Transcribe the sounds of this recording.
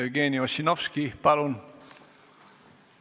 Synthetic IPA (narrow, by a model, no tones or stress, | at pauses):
ɡeːnioɕinofskipɑlun